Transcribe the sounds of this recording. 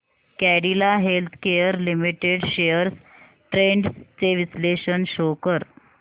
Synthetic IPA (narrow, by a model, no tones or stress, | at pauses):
kæɽilaɦelt̪ʰkejəɾlimiʈeɽɕejəɾs | ʈɾeɳɖst͡seʋisleɕənɕokəɾ